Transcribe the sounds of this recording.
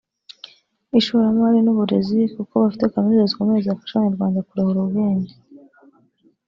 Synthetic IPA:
iʃuːɾamaɾinuβuɾe̞zikuko̞βafitekamiɾozikomezaafaʃaɲaɾɡwaːndakuɾahoɾuɡeːnde

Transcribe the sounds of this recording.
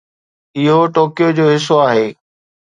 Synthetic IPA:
ɪɦoʈoːkijod͡ʑoːɦɪs̬oaːɦeː

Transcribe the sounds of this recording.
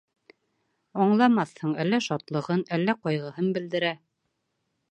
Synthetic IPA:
ɒɴlˠɑmɑθhɤɴælːæʃɑt̪lˠɤ̆ʁɤnælːæqɒjʁɤ̆hɤnbɘ̆ld̪ɘ̆ɾæ

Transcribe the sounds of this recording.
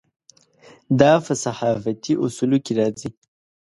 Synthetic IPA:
d̪ɑpəsaħɑfat̪iʔusulokeɾɑzi

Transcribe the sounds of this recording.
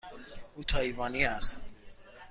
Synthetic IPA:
utʰaivanias

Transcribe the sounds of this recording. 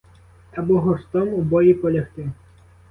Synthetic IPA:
ɐbɔɦɔɾst̪ɔmubɔjipɔlʲɐxt̪ɪ

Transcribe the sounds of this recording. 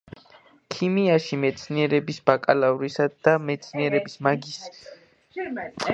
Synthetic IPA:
kʰimiaʃimɛt̪sʰniɛɾɛbisb̥akʼalavɾisad̪̥amɛt̪sʰniɛɾɛbismaɡis

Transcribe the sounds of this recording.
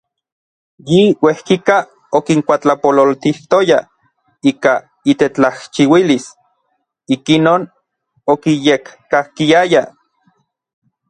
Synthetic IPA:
jiwehkika | okiŋkʷat͡ɬapololt̪iht̪oja | iːka | it̪et͡ɬaht͡ʃiwilis | ikinoːn | okijekːahkiaja

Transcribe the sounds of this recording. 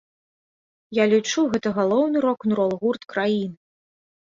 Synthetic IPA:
jalʲit͡ʂuɣɛt̪ɐɣalˠɔwnɨɾɔknɾɔlˠɣurt̪kɾajin

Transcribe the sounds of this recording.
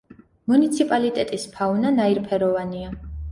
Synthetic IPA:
munit̪sʰipʼalit̪ʼɛt̪ʼispʰaunanaiɾpʰɛɾɔvania

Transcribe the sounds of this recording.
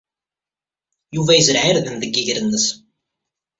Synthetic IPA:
juvæjəzɾʕiɾðənðəɡːiʝɾənːəs

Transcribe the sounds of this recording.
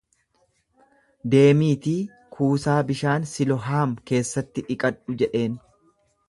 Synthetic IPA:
d̪e̞ːmiːt̪iː | kʰuːsaːbɪʃaːnsɪlɔɦaːmke̞ːsːɐt̪ːɪᶑɪkʼɐᶑʊd͡ʒɛᶑe̞ːn

